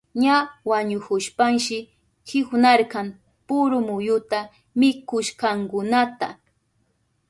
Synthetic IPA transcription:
ɲawaɲʊkʊʃpaŋʃɪ | kɪxnaɾkɑm | pʊɾʊmʊjʊt̪a | mɪkʊʃkɑŋkʊnat̪a

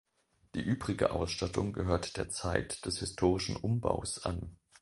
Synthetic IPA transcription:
d̥iːʔyːbʁɪɡə̰ʔa̰ʊsʃtatʰʊŋɡəɦøːɐtd̥eːɐt͡saɪtd̥ɛshɪstʰoːʁ̞ɪʃn̩ʔʊmba̰ʊsʔa̰n

